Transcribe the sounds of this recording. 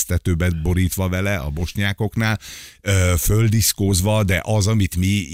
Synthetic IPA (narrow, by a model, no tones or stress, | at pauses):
st̪ɛt̪øːbɛbo̞ɾiːt̪ʋɒvɛlɛʔɒ̰bo̞ʃɲaːko̞knaːløːføld̪iskoːzʋɒd̪ɛ̰ʔɒzɒmit̪mi